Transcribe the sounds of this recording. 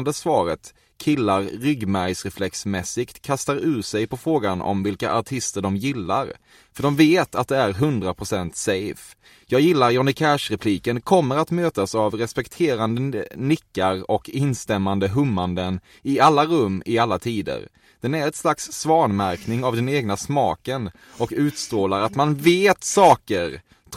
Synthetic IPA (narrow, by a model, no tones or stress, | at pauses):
nd̪əsvɑːɾə̰t̪ | kʰɪlːaɾɾʏɡmæɾjsɾɛflɛksmɛsːɪkt̪kʰast̪aɾʉ̟ːʂɛjpʰɔfɾoːɡanɔ̰mvɪlka̰ʔaʈʰɪst̪əɖɔmjɪlːa̰ɾ | fœɖɔmveːt̪at̪̚d̪ɛæɾɦɵnd̪ɾapʰɾʊsɛnt̪sɛjf | jɑːɡjɪlːaɾjɔnɪkʰɛʂɾɛpʰliːkənkʰɔmːəɾat̪møːt̪asavɾɛspɛkt̪ʰeːɾand̪əənɪkːaɾɔkɪnst̪ɛmːand̪əɦɵmːand̪ən | ɪalːaɾɵmːɪalːat̪ʰiːd̪ə̰ɾ | d̪̥ɛnæɾɛt̪slaksːvɑːɳmæɾknɪŋavd̪ɛneːɡnasmɑːkən | ɔkʉ̟ːt̪st̪ɾoːlaɾat̪manveːt̪sɑːkəɾ